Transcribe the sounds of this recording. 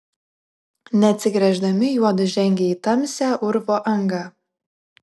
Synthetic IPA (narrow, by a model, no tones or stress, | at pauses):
nʲɛɐt̪ʲsʲɪɡɾʲɛʒd̪ɐmʲɪjuɔd̪ʊʒʲɛŋʲɡʲɛit̪ɑmʲsʲɛʔʊɾvoʔɐŋɡɑ